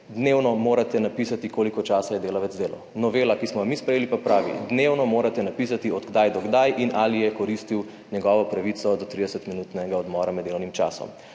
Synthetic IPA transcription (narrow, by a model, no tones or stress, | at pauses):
d̪neːwnɔmoːɾat̪ɛnapisat̪ikoːlikɔt͡ʃaːsajɛd̪eːlaʋɛd̪zd̪eːlɔ̰ | nɔʋeːlakismɔɡamispɾɛjeːlipapɾaːʋḭd̪newnɔmoːɾat̪ɛnapis̬at̪iɔd̪ɡd̪ajd̪ɔɡd̪ajʔinaːlijɛkɔɾist̪iw | ɲɛɡɔʋɔpɾaʋit̪sɔd̪ɔt̪ɾid̪ɛsɛt̪minut̪nɛɡaɔd̪mɔːɾamɛd̪eːlɔwnimt͡ʃa̰ːsɔ̰m